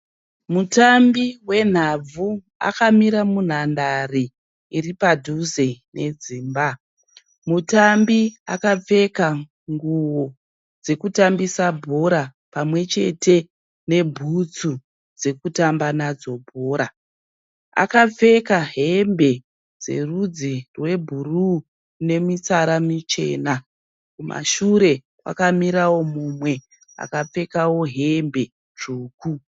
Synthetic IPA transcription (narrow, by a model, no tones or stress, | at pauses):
mutambiwe̞n̤ab͡vu | a̰kamiɾamun̤andariː | ripadʱuzenʔe̞d͡ziːmba | mutambia̰kap͡fe̞ka | ŋɡuwo | d͡ze̞kutambisabʱo̞ɾapamwe̞t͡ʃe̞te̞ | ne̞bʱut͡su | d͡ze̞kutambanad͡zo̞bʱo̞ːɾa | a̰kap͡fe̞kaɦe̞mbe̞ | d͡ze̞̰rud͡zirwe̞bʱuru | ne̞mit͡saɾamit͡ʃe̞̰ːna | kumʔa̰ʃuɾe̞ | wa̰kamiɾawo̞mumwe̞ | a̰kap͡fe̞kawo̞ɦe̞mbe̞ | ʐuːku